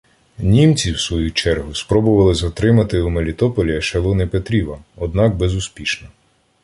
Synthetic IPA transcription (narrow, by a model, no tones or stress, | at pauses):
nʲimt͡sʲiwsʋɔjut͡ʃɛrɦʊspɾɔbʊʋɐlˠɪzɐt̪ɾɪmɐt̪ɪumelʲit̪ɔpɔlʲiɐʃelˠɔnɪpet̪ɾʲiʋɐɔd̪nɑk̚bezʊspʲiʃnɔ